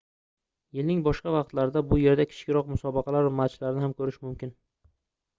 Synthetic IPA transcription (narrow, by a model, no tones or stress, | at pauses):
jɪlnɪŋbɒʃqɑvɑqt̪laɾɪd̪abʊje̞ɾd̪akʲʰɪ̥t͡ʃkʲɪɾɒqmʊsɒbɑqʰɑlaɾvamat͡ʃt̪laɾɪnɪhamkʰɵɾɪʃmʊmkʲɪn